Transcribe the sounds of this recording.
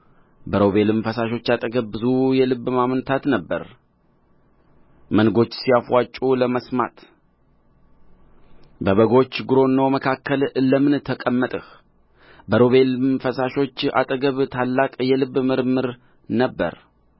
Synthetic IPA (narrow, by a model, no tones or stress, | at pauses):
bəɾo̞βe̞lmfəsaʃo̞t͡ʃːat̪ʼəɡəβːɨzujɛlɨβːmamənt̪ʰat̪nəbːə̰ɾ | mənɡo̞t͡ʃːsijafwat͡ʃʼuləməsma̰t̪ | bəβəɡo̞t͡ʃːɡɨɾo̞nːəwməkʰakːəlləmɨnt̪ʰəkʼəmːət̪ʼɨh | bəɾo̞βe̞lmfəsaʃo̞t͡ʃːa̰t̪ʼəɡəβt̪ʰalːakʼjɛlɨβmɨɾmɨɾ | nəbːə̰ɾ